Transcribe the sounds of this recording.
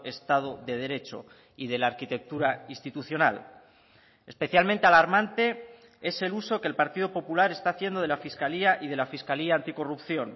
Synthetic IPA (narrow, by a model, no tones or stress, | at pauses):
e̞st̪að̞oðe̞ð̞e̞ɾe̞t͡ʃo̞̰ | ið̞e̞laːɾkit̪e̞k̚t̪uɾainst̪it̪uθjo̞nal | e̞spe̞θjalmẽnt̪e̞alaɾmãnt̪e̞ | e̞se̞luso̞kelpaɾt̪iðopo̞pulaɾe̞st̪aːθje̞nd̪o̞ð̞e̞lafiskaliaʔið̞e̞lafiskaliaːnt̪iko̞rupθjo̞n